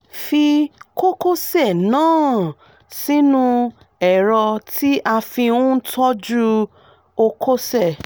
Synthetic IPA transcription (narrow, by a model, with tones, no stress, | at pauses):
fi˧ko˦ko˦sɛ˦˨nãː˦ | si˦nũ˦ | ɛ˨ɾɔ˧ti˦ʔa˧fi˧ũ˦tɔ˦d͡ʒu˦ | o˧ko˦sɛ˦˨